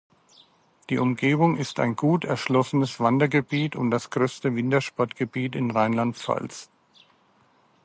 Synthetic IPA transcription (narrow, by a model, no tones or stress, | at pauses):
d̥iːʔʊmɡeːbʊŋɪsta̰ɪnɡuːtʰɛɐʃlɔsənəsv̥andɐɡəbiːtʰʊnd̥asɡ̥ʁøːstəvɪntɐʃpɔɐtɡ̥əbiːtɪnʁaɪnlantfa̰ls